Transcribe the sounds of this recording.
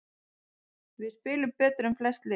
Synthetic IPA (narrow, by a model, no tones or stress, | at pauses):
vɪðspɪːlʏmpɛːt̪ɾʏmflɛst̪lɪ